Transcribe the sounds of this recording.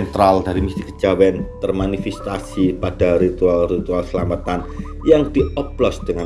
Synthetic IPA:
nt̪ɾalda̤ɾimist̪ikə̥d͡ʒawɛnt̪ərmanifɛst̪asipad̥aɾit̪ualrit̪ualsəlamat̪an | jaŋd̪̥iɔplɔsd̪̥əŋa

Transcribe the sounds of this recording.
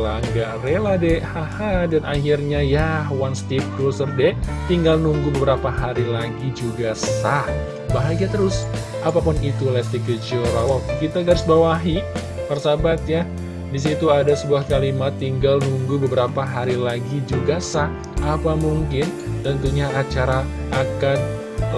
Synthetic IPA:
laŋɡaʔrelahdɛʔhahadanʔahirɲajahwanst̪ip̚kɾusərdɛt̪iŋɡalnuŋɡubəbəɾapaɦaɾilaɡid͡ʒuɡasah | baɦaɡat̪əɾʊs | ʔapapʊnit̪ulɛst̪ikəd͡ʒioɾawakit̪aɡaɾɪsbawaɦi | parsabat̪̚ja | dis̬it̪uadasəbuahkalimat̪ːiŋɡalnuŋɡubəbəɾapaɦaɾilaɡid͡ʒuɡasah | ʔapamuŋkɪnt̪ənt̪uɲaʔat͡ʃaɾa | ʔːkan

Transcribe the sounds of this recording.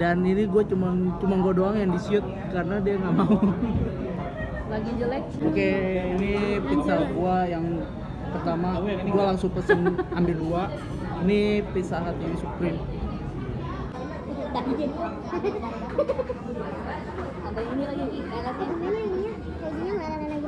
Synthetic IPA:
daniniɡuat͡ʃumant͡ʃumanɡuadoaŋjaŋdisiʊt̪̚karənadiaŋaʔmau | baɡid͡ʒəlɛk̚okeinipit̪saɦat̪̚ɡuajaŋ | pərt̪amaniɡualaŋsʊŋpəsɪnambɪlɡua | inipit̪saɦat̪jaŋsukɾɪm | d̪aid͡ʒaɡua | abainilaɡi | aakaaiɲa | aɡiɲaŋaananaɡi

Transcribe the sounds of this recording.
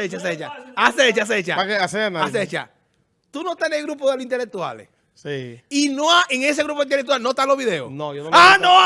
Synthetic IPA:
et͡ʃaset͡ʃa̰aset͡ʃaas̬et͡ʃa̰akeaseanaaset͡ʃa̰ | t̪unot̪eneɣɾup̬oðeloint̪elek̚t̪wa̰lḛ | siinoaʔeŋes̬eɣɾup̬oint̪elek̚t̪walnot̪aloβiðe̞o̰nojonoano

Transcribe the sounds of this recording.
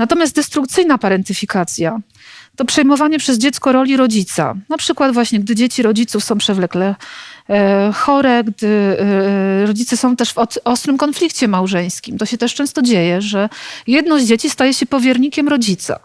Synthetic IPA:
nat̪ɔmʲjast̪d̪ɛst̪ɾukt̪sɘjnapaɾɛnt̪ɘfʲikat̪sʲja | t̪ɔpʂɛjmɔvaɲɛpʂɛzd͡ʑɛt̪skɔɾɔlʲiɾɔd͡ʑit̪sa̰napʂɘkwad̪vwaɕɲɛɡ̚d̪ɘd͡ʑet͡ɕiɾɔd͡ʑit̪sufsɔ̃w̃pʂɛvlɛklɛ | xɔɾɛɡd̪ɘ | ɾɔd͡ʑit̪sɛsɔ̃w̃t̪ɛʂvɔt̪ɔst̪ɾɘmkɔnflʲikt͡ɕɛmawʐɛj̃skʲimt̪ɔɕɛt̪ɛʂt͡ʂɛ̃w̃st̪ɔd͡ʑejɛʐɛjɛd̪nɔzd͡ʑet͡ɕist̪ajɛɕɛpɔvʲjɛɾɲikʲɛmɾɔd͡ʑit̪sa̰

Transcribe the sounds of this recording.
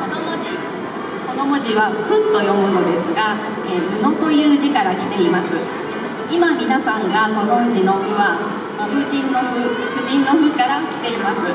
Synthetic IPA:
onomoi | ko̞no̞moʑiβaɸɯ̟t̪ːo̞jo̞mɯ̟no̞d̪e̞sɨɡa | eːmɯ̟no̞t̪o̞jɯ̟ːʑikaɾakʲi̥t̪e̞imasɨ | imamʲinasãŋɡaɡo̞zõ̞ɲd͡ʑino̞ɸɯ̟βa | moɸɯ̟ʑĩnːo̞ɸɯ̟ɸɯ̟ʑĩnːo̞ɸɯ̟kaɾakʲi̥t̪e̞imasɨ

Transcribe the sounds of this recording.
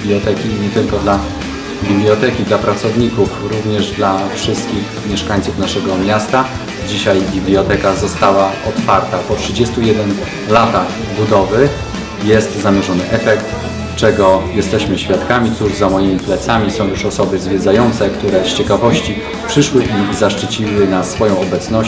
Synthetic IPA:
blʲiɔt̪ɛkʲiɲɛt̪ɘlkɔd̪la | bʲiblʲiɔt̪ɛkʲid̪lapɾat̪sɔvɲikufɾuvɲɛʐd̪lafʂɘst̪kʲix | mʲjɛʂkaɲt̪sufnaʂɛɡɔmʲjast̪a | d͡ʑiɕajbʲiblʲiɔt̪ɛkazɔst̪awaɔt̪faɾt̪apɔtʂɘd͡ʑɛst̪ujɛd̪ɛn | lat̪ax | bud̪ɔvɘ | jɛst̪zamʲjɛʐɔnɘʔɛfɛkt̪ | t͡ʂɛɡɔjɛst̪ɛɕmɘɕfʲjat̪kamʲit̪suʐzamɔjimʲiplɛt̪samʲisɔ̃w̃juʂɔsɔbɘzvʲjɛd̪zajɔnt̪sɛkt̪uɾɛst͡ɕɛkavɔɕt͡ɕi | pʂɘʂwɘʔizaʂt͡ʂɘt͡ɕiwɘnasfɔjɔ̃w̃ɔbɛt̪snɔ

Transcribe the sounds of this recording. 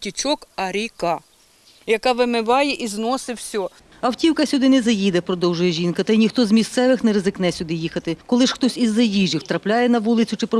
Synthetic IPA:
tʲit͡ʃɔkɐɾʲikɑ | jɐkɑʋɪmɪʋɑjɛʔiznɔsɪwsʲɔ | ɐwtʲiwkɐsʲʊd̪ɪnɛzɐjid̪ɛpɾɔd̪ɔwʒʊjɛʒʲinkɐt̪ɐjnʲixt̪ɔzmʲist̪sɛʋɪxnɛɾezɪknɛsʲʊd̪ɪjixɐt̪ɪkɔlˠɪʃxt̪ɔsʲizːɐjiʒʲiwt̪ɾɐplʲajɛnɐʋulˠɪt͡sʲʊt͡ʃɪpɾɔ

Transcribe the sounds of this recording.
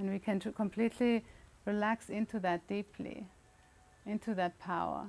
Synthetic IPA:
ɨ̃nwikʰɨ̃nkʰɔ̃mpʰl̥itʰliɹilæksɪ̃ntʰuðɨt̚d̥ipʰlḭ | ɪ̃ntʰuðət̚pʰaʊə̰˞

